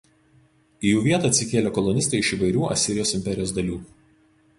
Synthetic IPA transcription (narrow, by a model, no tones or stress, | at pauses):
ijuːʋʲiɛt̪ɑːɐt̪ʲsʲɪkʲeːlʲokɔlˠɔnʲɪst̪ɐɪɪʃiʋɐɪɾʲuːɐ̰sʲɪɾʲɪjoːsɪmʲpʲɛɾʲɪjoːsd̪ɐlʲuː